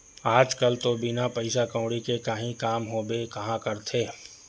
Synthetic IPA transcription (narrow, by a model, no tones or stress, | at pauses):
aːd͡ʒkəlt̪obɪnapɐɪsakə̃ʊɽikekɐɦĩkaːmɦoːbekɐɦãkɐɾt̪ʰeː